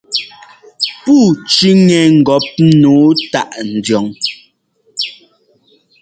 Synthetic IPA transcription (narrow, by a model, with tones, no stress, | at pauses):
puː˦˨t͡ʃi˦ŋɛ˨ŋ̩˨ɡɔ˨˦p̚noː˨˦ta˦˨ʔn̩˨djɔ˨ŋ